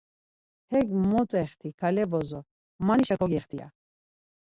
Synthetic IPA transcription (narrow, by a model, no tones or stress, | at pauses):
hɛɡmɔt͡sʼɛχt̪ʰikʰalɛbɔzɔ | maniʃakʰɔɡɛχt̪ʰia̰